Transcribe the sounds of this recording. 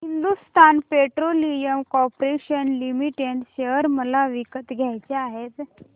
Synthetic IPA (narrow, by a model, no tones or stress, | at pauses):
ɦind̪ust̪ʰanpeʈɾolijəmkɔpɾeɕənlimiʈeɳʈɕeʋəɾməlaʋikət̪ɡʱjajt͡ɕeaɦet̪